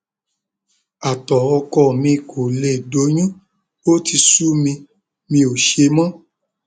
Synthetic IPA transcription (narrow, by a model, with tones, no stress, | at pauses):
a˨tɔ˨ɔ˧kɔ˦˨mĩ˧kʰo˨le˨do˨˦ɲ̃ũ˦ | o˦ti˧su˦mĩ˧ | mĩ˧˦o˨ʃe˧mã˦